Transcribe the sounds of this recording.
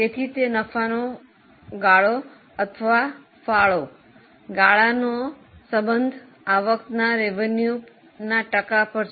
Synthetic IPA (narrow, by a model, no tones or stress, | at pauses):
t̪et̪ʰit̪enəfano | ɡaɭo | ət̪ʰəʋa | faɭo | ɡaɭano | səbənd̪ʱ | aʋəkt̪naɾeʋənju | naʈəkapəɾt͡ʃʰ